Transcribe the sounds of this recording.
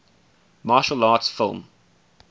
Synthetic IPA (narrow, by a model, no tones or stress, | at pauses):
mɑːʃəlɑːtsfɪ̰lˠm